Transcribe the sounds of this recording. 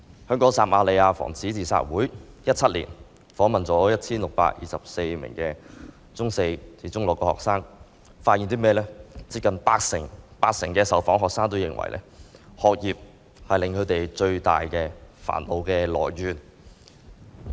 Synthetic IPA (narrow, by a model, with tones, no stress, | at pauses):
hœː˥ŋkɔː˨˥ŋsaː˨mʔaː˧le˨˧jaː˧fɔ̰ː˨˩ŋt͡sʰiː˨˥t͡siː˨sa̰ː˧˥t̚wuː˨˥j | jɐ˥t̚t͡sʰɐ˥t̚lḭː˨˩n | fɔː˨˥ŋmɐ˨nt͡sɔː˨˥jɐ˥t̚t͡sʰiː˥nlʊ˨k̚pa̰ː˧k̚jʔḭː˨˩sɐ̰˨p̚se˧jmɪ̰˨˩ŋkɛ˧ | t͡sʊ˥ŋse˧jt͡siː˨˥t͡sʊ˥ŋlɔ˨˩kːɔ˧˩hɔ̰ː˨k̚saː˥ŋ | faː˧t̚ji˨nt̪iː˥mɛː˥˧lɛː˥t͡siː˧p̚kɐ˨npaː˧k̚sɪ˨˩ŋpaː˧k̚sɪ˨˩ŋkɛː˧sɐ˨wfɔː˨˥ŋɦɔː˨k̚saː˥ŋt̪o˥wjɪ̰˨˩ŋwɐ̰˨˩jlʔɛ̰ː˥hɔː˨k̚jiː˨p̚ | hɐ˨jlɪ˨˧ŋkʰɵ˨˧t̪e˨jt͡ʃɵ˧ɥt̪a̰ː˨jkɛː˧fa̰ː˨˩nlo˨˧wkɛː˧lɔ̰ː˨˩jɥyː˨n